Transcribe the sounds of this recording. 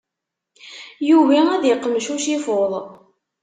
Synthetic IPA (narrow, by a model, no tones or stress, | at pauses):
juvææðjəqːəmʃuʃifoðˤ